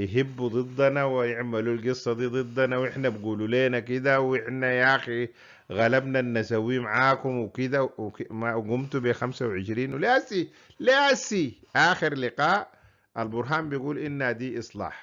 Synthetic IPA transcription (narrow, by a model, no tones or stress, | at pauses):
jɦibːud̪ˤɨd̪ˤːɑnawjɪʕmalulɡɨsˤːɑd̪iːd̪ˤɨd̪ˤːɑnawɪħnabɡuːluleːnakid̪awɪħnajaːxi | ɣalabnanːasawːimaʕaːkumwikid̪akmaɡumt̪ubexamsawʕɪʃɾiːnwlaːsi | lasiʔaːxiɾlɪqɑːʔ | ʔalbʊɾɦaːmbijɡuːlʔinːhad̪iːʔɨsˤlɑ̰ːħ